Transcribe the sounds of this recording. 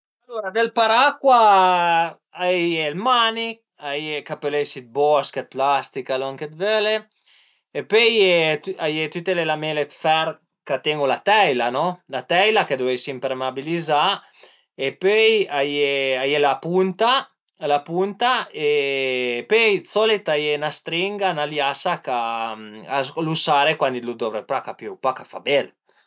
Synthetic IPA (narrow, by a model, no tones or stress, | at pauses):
aloɾad̪elpaɾakwa | ajelmani | ajekapelesit̪̚bɔskət̪̚plast̪ikalɔŋket̪vøle | epøjet̪ajet̪yt̪ːelelamelet̪fɛɾ | kat̪eŋɡulat̪ɛjlanɔlat̪ɛjlaked̪uɛjsimpɾemabiliza | epøjajeajelapunt̪a | lapunt̪ae | pøjt͡sɔlit̪ajenast̪ɾiŋɡanaljasaka | alusaɾekwanilud̪ɔvɾepɾakapjøwpakafa̰bɛl